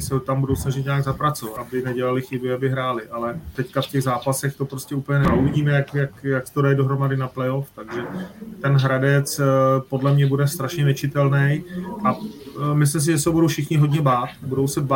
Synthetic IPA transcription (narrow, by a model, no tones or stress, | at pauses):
sɛot̪ambudo̞wsnaʒɪt̪ɲaːɡzapɾat͡sovat̪abɪnɛɟɛlalɪxɪbɪabɪɦɾaːlɪʔalɛt̪ɛckafcɛɣzaːpasɛxt̪o̞pɾoscɛuːpəɲɛnɛauvɪɟiːmɛjakjakjaksɛ̥t̪odajɪdo̞ɦɾo̞madɪnaplɛjo̞ft̪aɡʒɛt̪ɛnɦɾadɛt͡spo̞dlɛmɲɛbudɛst̪ɾaʃɲɛnɛt͡ʃɪt̪ɛlnɛjʔamɪs̬lɪms̬ɪʒɛs̬ɛɦobudowfʃɪxɲɪɦo̞dɲɛbaːt̪budowsɛb